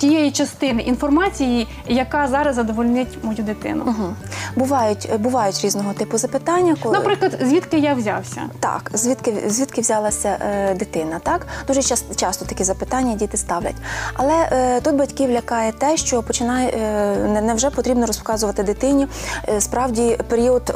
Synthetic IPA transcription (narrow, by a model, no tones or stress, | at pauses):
tʲijɛjit͡ʃɐst̪ɪnɪʔinfɔrmɑt͡sʲiji | jɐkɑzɑɾɐzzɐd̪ɔʋɔlʲnɪtʲmɔjud̪ɪt̪ɪ̰nʊ̰ɦ̩bʊʋɑjʊtʲbʊʋɑjʊtʲɾʲiznɔɦɔt̪ɪpʊzɐpɪt̪ɑnʲːɐkɔnɐpɾɪklˠɐd̪zʲʋʲit̪kɪjaʋzʲɑ̰wsʲɐ̰t̪ɑ̰kzʲʋʲit̪kɪzʲʋʲit̪kɪʋzʲɑlˠɐsʲɐd̪ɪt̪ɪnɐt̪ɑkd̪uʒɛt͡ʃɑst̪ɔt̪ɐkʲizɐpɪt̪ɑnʲːɐdʲit̪ɪst̪ɑwlʲɐ̰tʲɐ̰lˠɛt̪ut̪̚bɐtʲkiʋlʲɐkɑjɛt̪ɛʃt͡ʃɔpɔt͡ʃɪnɑjɛnɛnɛwʒɛpɔt̪ɾʲibnɔɾɔspkɑzʊʋɐt̪ɪd̪ɪt̪ɪnʲispɾɑwdʲipeɾʲiɔd̪